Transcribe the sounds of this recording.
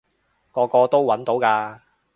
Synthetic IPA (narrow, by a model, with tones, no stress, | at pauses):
kɔː˧kɔː˧t̪o˥wwɐ˨˥nt̪o˨˥wkaː˧